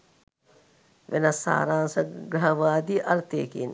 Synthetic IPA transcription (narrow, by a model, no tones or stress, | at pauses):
ʋenasːa̰ːɾaːnsəɡɾɐɦɐʋaːd̪iʔaɾt̪eːkḭn